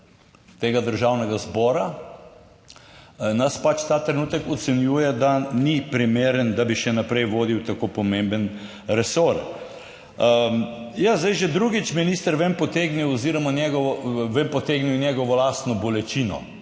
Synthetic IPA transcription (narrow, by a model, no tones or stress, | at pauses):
t̪eːɡad̪əɾʒawnɛɡazbɔːɾa | naspat͡ʃt̪aːt̪ɾɛnuːt̪əkɔt̪sɛnjuːjɛd̪anipɾimeːɾənd̪abiʃɛnapɾɛjʋoːd̪iwt̪akopɔmẽmbən | ɾɛsoɾ | jazd̪ajʒɛd̪ɾuɡit͡ʃminiːst̪əɾʋempɔt̪eɡniwɔziɾɔmanʲjɛɡɔʋɔʋempɔt̪eɡniwnjɛɡɔʋɔlast̪nɔbɔlɛt͡ʃinɔ̰